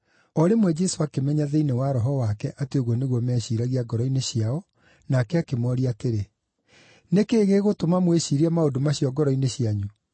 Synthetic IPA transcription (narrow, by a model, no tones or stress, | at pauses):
ɔɾemwɛd͡ʑɛsoakemɛɲaðeinewaɾɔɦɔwakɛʔatweɣwɔneɣwɔmɛɕiɾaɣiaɡɔɾɔineɕjaɔ | nakɛakemɔɾiateɾe | nekeːɣeɣotomamweɕiɾiamaodomaɕjɔɡɔɾɔineɕiaɲu